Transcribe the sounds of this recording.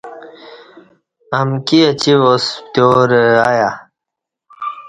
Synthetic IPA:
ɐmkiɐt͡ɕiwost̪joːɾəaja

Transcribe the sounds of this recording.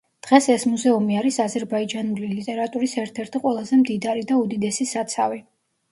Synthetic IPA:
d̪̥ʁɛsɛsmuzɛumiaɾisazɛɾbaid͡ʒanulilit̪ʼɛɾat̪ʼuɾisɛɾt̪ʰɛɾt̪ʰiqʼwɛlˠazɛmd̪id̪aɾid̪aud̪id̪ɛsisat̪sʰavi

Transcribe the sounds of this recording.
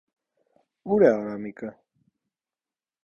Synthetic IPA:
uɾɛaɾamikʼə

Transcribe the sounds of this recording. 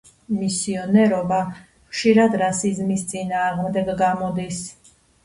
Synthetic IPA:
misiɔnɛɾɔba | χʃiɾad̪ɾasizmist̪sʼinaːʁmd̪ɛɡɡamɔd̪is

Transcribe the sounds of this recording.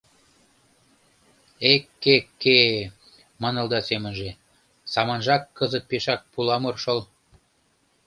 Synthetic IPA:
ekːekːe | mɤ̆nɤ̆lˠd̪ɑsemə̆nʒe | sɑmɑnʒɑkːɤzət̪̚peʃɑk̚pulɑmorʃɤ̆l

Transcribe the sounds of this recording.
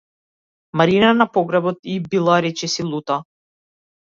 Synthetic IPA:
maɾinanapɔɡɾabɔt̪ibilˠaɾɛt͡ʃɛsilˠut̪a

